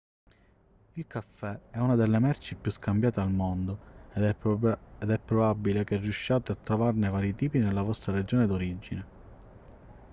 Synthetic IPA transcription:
ilkafːɛɛunad̪elːemɛrt͡ʃipjuskambjaːt̪ealmond̪o | ed̪ɛpːɾobabːilek̟erːjuʃːaːt̪eat̪ːɾovarnevaːɾjit̪iːpinelːavɔst̪ɾaɾed͡ʒoːned̪oɾid͡ʒːine

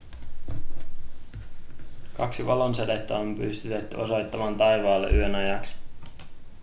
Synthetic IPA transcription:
kɑksiʋɑlo̞nsɑdet̪ːɑompyst̪yt̪et̪ːyoso̞jt̪ːɑmɑːnt̪ɑjʋɑːlːeʔyønɑjɑksi̥

